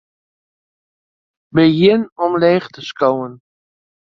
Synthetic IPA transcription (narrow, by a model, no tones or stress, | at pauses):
bəjɪnɔmleːχtəskowən